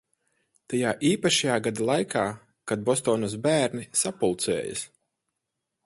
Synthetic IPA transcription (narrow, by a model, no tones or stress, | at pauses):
t̪ajaːʔiːpaʃajaːɡad̪alˠajkʰaː | kad̪̚bɔst̪ɔːnus̬bæːɾnisapulˠt̪sɛ̰ːja̰s